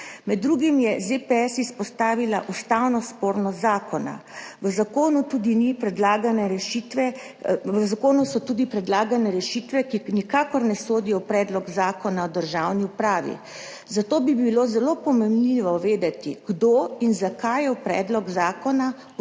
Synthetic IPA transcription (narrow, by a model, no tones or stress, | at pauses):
mɛd̪ːɾuɡimjɛzepeɛsispɔst̪aːʋilaʔust̪awnɔspoːɾnɔzaːkɔna̰ʋəzakoːnut̪uːd̪inipɾɛd̪laːɡanɛɾɛʃit̪ʋɛ | ʋəzakoːnusɔt̪uːd̪ipɾɛd̪laːɡanɛɾɛʃiːt̪ʋɛkinikaːkɔɾnɛsoːd̪ijɔpɾɛːd̪lɔɡzaːkɔnaɔd̪əɾʒawniupɾaːʋḭ | zat̪oːbibilozɛlopɔmɛmliʋɔʋeːd̪at̪iɡ̥d̪oːinzakajɛwpɾɛ̰ːd̪lɔɡzaːkɔna